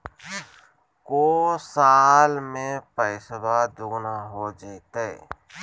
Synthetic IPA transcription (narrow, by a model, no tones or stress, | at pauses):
koːsaːlmẽpəɪswad̪uɡnaɦod͡ʒaɪt̪e